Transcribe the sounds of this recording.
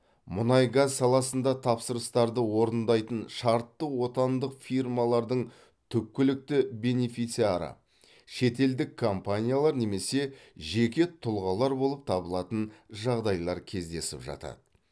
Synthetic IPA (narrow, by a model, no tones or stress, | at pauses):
mʊnɑjɡazsɑlˠɑsənd̪ɑt̪ʰɑpsəɾəst̪ɑɾd̪əwo̞ɾənd̪ɑjt̪ənʃɑɾt̪ːəwo̞t̪ɑnd̪əqfirmɑlˠɑɾd̪əɴ | t̪ʰʏp̚kʲːɪlɪk̚t̪ɪbe̞nefijt̪siaɾə̰ | ʃe̞t̪e̞ld̪ɪkʰːompanʲijalˠɑɾne̞me̞se̞ʒe̞kʲe̞t̪ʰʊlˠʁɑlˠɑɾbo̞lˠəp̚t̪ʰɑbəlˠɑt̪ənʒɑʁd̪ɑjlˠɑɾkʲʰe̞zd̪e̞sɪ̰pʒɑ̰t̪ɑ̰d̪ə